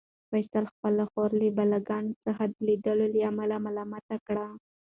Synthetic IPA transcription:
fajsəlxpəlaxoɾlibalaɡɑnt͡səxad̪əlid̪əlolaamalamalɑmat̪akɽa

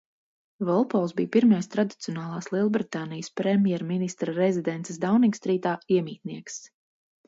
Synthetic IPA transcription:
vɔlˠpɔlˠsbḭːpiɾmajst̪ɾad̪it̪siɔnaːlˠaːslˠiɛlˠbɾit̪aːnijəspɾɛmʲjɛɾminist̪ɾaɾɛzid̪ɛnt̪sɛsd̪awniŋkst̪ɾiːt̪aːiɛmiːt̪niɛks

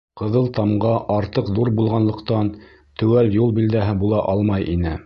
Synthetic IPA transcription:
qɤ̆ðɤlˠt̪ɑmʁɑʔɑɾt̪ɤqðuɾbulˠʁɑnlˠɤ̆qt̪ɑn | t̪ɵ̆wæljulˠbild̪æɦɘbulˠɑʔɑlˠmɑjʔinɘ

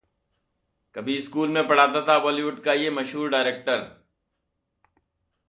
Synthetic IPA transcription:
kɐbʱiɪskuːlmẽpɐɽ̤aːt̪at̪ʰaʋɔːliʋʊʈkajemɐʃɦuːɾɖaːɪɾeːk̚ʈəɾ

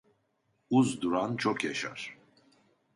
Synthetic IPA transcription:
uzd̪uɾant͡ʃʰɔkʰjaʃa̰ɾ̥

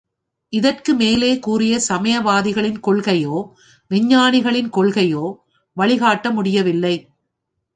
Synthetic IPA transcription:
ʔɪðɐrkɯmeːleːkuːrɪjɐsɐmɐjɐʋaːðɪɣɐɭɪnkɔɭɣɐjoː | ʋɪɲːaːnɪɣɐɭɪnkɔɭɣɐjoː | ʋɐɭɪɣaːʈːɐmʊɽɪjɐʋɪlːɐɪ

